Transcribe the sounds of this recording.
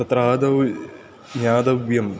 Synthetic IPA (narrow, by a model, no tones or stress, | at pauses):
ɐt̪ɾaːd̪ɐw | ɲaːd̪ɐʋjɐm